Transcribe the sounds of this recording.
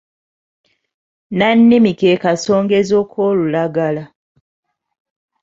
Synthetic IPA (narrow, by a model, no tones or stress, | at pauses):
nanːimikekaso̞ːŋɡezoːkʰoːlulaɡala